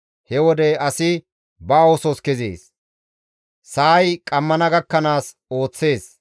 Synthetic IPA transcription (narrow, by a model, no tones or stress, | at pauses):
hɛwɔd̪ɛɐsɪ | bɐoːsɔskɛzḛːs | saːjkʼɐmːɐnɐɡɐkːɐnaːs | o̞ːt͡sːe̞ːs